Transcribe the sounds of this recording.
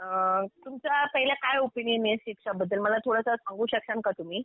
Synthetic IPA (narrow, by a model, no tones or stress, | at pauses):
ət̪umt͡sapəɦilakajopiɳineɕikʂabəd̪ːəlməlat̪ʰoɽasasãŋɡũːɕəkʂamkat̪um̤iː